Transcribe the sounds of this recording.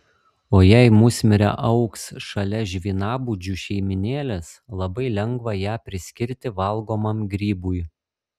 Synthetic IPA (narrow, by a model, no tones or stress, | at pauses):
oːjæɪmʊsʲmʲɪɾʲɛ̰ʔɐʊksʃɐlʲɛʒʲʋʲiːnɑːbuːd͡ʒʲuʃʲɛɪmʲɪnʲeːlʲɛs | lˠɐbɐɪlʲɛŋɡʋɐjæːpʲɾʲɪsʲkʲɪɾʲt̪ʲɪʋɐlˠˑɡoːmɐmɡɾʲiːbʊj